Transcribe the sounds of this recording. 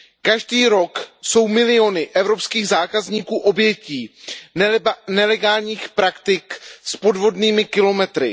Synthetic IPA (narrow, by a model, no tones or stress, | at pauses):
kaʒdiːɾo̞kso̞wmɪlɪo̞nɪʔɛvɾo̞pskiːɣzaːkazɲiːkuːʔo̞bjɛciː | nɛlɛɡaːlɲiːxpɾakt̪ɪkspo̞dvo̞dniːmɪkɪlo̞mɛt̪ɾɪ̰